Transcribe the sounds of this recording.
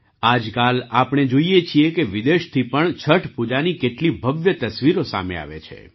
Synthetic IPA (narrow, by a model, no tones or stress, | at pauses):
ad͡ʒkalapɽ̃ed͡ʒoijet͡ʃʰiekeʋid̪eʃt̪ʰipəɳt͡ʃʰəʈpud͡ʒanikeʈlibʱəʋjət̪əsʋiɾosa̰mḛa̰ʋḛt͡ʃʰḛ